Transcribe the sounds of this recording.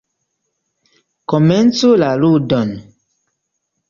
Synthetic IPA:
koment͡sulaludɔn

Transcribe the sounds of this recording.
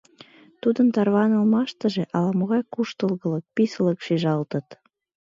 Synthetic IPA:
t̪ud̪ənt̪ɑrβɑnə̆lmɑʃt̪əʒeʔɑlɑmoɣɑjkuʃt̪əlɣə̆lək̚pisə̆ləkʃiʒɑlt̪ət̪

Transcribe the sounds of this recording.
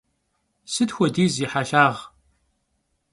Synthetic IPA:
sɨtxʷɔdiːziːħaːʃaːʁ

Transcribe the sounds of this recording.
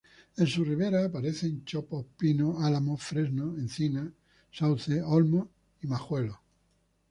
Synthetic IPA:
ẽ̞nsuriβ̞e̞ɾaːpaɾe̞θe̞nt͡ʃopohpinoalamofɾe̞znoẽn̟θina | sawθeolmo | imaxwe̞lo

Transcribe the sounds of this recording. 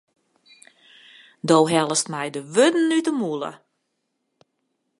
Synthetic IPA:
dowɦɛlˠəstmɛjdəʋødn̩ːytəmulˠə̰

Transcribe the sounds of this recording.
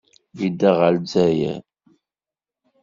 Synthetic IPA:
vid̪æʁəld͡zæjæ̰

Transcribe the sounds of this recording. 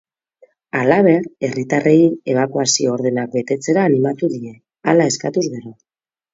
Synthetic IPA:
alaβ̞e̞ɾe̞rit̪arʔe̞ie̞β̞akuasio̞ːɾðe̞nak̚be̞t̪e̞t͡se̞ɾaːnimat̪uðie̞ | alae̞skat̪uzɣe̞ɾo

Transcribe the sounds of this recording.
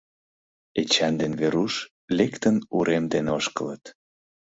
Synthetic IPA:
et͡ɕɑnd̪enβeɾuʃ | lekt̪ənuɾemd̪enoʃkələt̪

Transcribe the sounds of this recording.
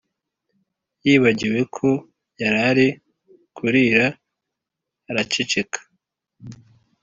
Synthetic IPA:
jiːβaɟiwe̞kʰo̞ | jaɾaɾi | kʰuɾiɾa | ɾat͡ʃit͡ʃekʰḁ

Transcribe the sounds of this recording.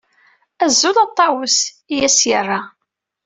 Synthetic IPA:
æzːʊlɑt̪ˤːɑwəs | ijæsjərˤːa

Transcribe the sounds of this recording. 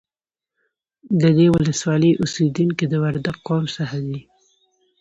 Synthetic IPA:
d̪əd̪ewʊləswɑləjʔʊsid̪unked̪əwaɾd̪aɡːɑmsahad̪i

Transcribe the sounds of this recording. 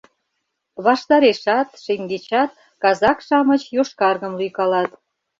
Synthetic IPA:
βɑʃt̪ɑɾeʃɑt̪ʃeŋɡet͡ɕɑt̪̚ | kɑzɑkʃɑmət͡ɕjoʃkɑrɣəmlyjkɑlɑt̪

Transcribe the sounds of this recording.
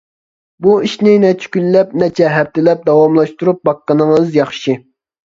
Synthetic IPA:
buiʃnɪnɛt͡ʃʰy̥kʲynlɛp̚nɛt͡ʃʰɛɦɛp̚t̪ʰɪlɛp̚d̪ɑwɑmlˠɑʃt̪uɾup̚bɑqːənɨŋəzjɑχʃɨ

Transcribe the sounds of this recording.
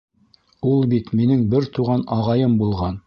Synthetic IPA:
ulˠbit̪minɘŋbɘɾt̪uʁɑnɑʁɑjɤmbulˠʁɑn

